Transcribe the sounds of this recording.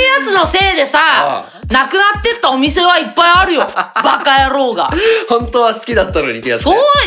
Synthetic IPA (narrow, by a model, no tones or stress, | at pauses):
jat͡sɨno̞se̞ːd̪e̞sa | nakɯ̟nat̪ːe̞t̪ːao̞mʲise̞βaipːaiaɾɯ̟jo̞bakajaɾo̞ːɡa̰hõ̞nt̪oːβasɨ̥kʲid̪at̪ːano̰ɲʲit̪soː